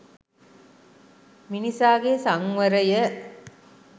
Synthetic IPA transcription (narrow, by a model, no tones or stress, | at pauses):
minisaːɡeːsɐŋʋɐɾɐjə